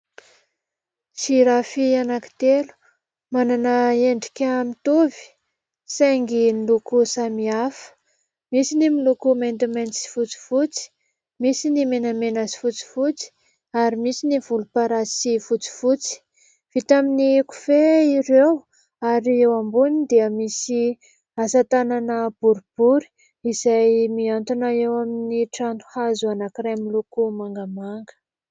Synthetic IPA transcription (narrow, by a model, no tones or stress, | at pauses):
siɾafianaki̥t̪elu̥ | mananəeɳɖ͡ʐi̥kʲamit̪uvi̥ | seŋɡinilukusamiafə̥ | misinimilukumend̪imensi̥fut͡si̥fut͡si̥ | misinimenamenasi̥fut͡si̥fut͡si̥ | aɾimisinivulupaɾasifut͡si̥fut͡si̥ | v̥it̪aminiku̥feiɾew | aɾiewambunid̪eəmisi | asat̪ananəb̥uɾub̥uɾi̥ | iz̥ajmiant̪unaewaminiʈ͡ʂant̪u̥hazuanakiɾamilukumaŋɡəmaŋɡə̥